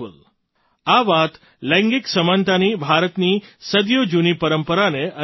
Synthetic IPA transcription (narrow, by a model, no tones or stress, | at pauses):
ə̰l | aʋat̪ | lə̃ŋɡiksəmant̪anibʱaɾət̪nisəd̪jod͡ʒunipəɾəmpəɾaneə